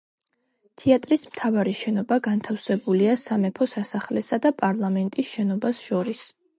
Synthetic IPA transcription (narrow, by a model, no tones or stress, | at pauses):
t̪ʰiat̪ʼɾismt̪ʰavaɾiʃɛnɔbaɡant̪ʰafsɛbuliasamɛpʰɔsasaχlɛsad̪apʼaɾlˠamɛnt̪ʼisʃɛnɔbasʃɔɾis